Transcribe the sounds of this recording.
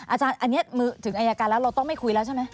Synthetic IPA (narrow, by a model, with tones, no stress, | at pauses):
ʔaː˧t͡ɕaː˧nʔa˧nːi˦˥ɐmɯː˧˩t̪ʰɯ˩˦ŋʔaː˧jaː˧kaː˧nlɛ˦˥wɾa˧wt̪ɔ˥˩ŋma˥˩jkʰu˧jlɛː˦˥wt͡ɕʰa˥˩ma˦˥j